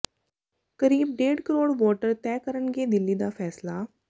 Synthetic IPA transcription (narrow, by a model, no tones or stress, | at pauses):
kəɾiːb̚ɖeːɽkəɾoːɽʋɔːʈəɾt̪ɛːkəɾəɳɡeːd̪ɪlːid̪aːfʰɛːslaː